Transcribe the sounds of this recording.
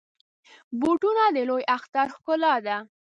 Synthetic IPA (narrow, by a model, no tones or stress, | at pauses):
buʈunad̪əlojaxt̪aɾxkʊlɑd̪a